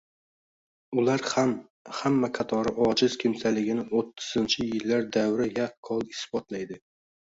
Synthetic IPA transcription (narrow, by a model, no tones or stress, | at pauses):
ʊlaɾham | hamːaqʰɑt̪ʰɒɾɪʔɒd͡ʒɪz̥kʲʰɪmsalɪɡʲɪnɪot̪ʰːʊ̥z̥ɪnt͡ʃʰɪjɪlːaɾd̪awɾɪjakʰːɒlˠɪsbɒt̪lajd̪ɪ